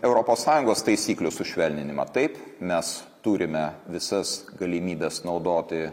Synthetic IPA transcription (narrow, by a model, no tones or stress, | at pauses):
ɛʊɾoːpoːsːɑːjʊŋɡoːst̪ɐɪsʲiːklʲʊsʊʃʲʋʲɛlʲnʲɪnʲɪmɑ̰t̪ɐɪpmʲɛs | t̪uːɾʲɪmʲɛʋʲɪsɐsɡɐlʲɪmʲiːbʲɛsnɒʊd̪oːt̪ʲɪ